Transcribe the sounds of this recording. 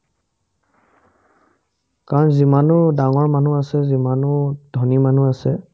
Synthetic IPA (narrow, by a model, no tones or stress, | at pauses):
kaɹɔnzimanʊdaŋɔɹman̤uasɛzimanʊd̥ʱɔniman̤uasɛ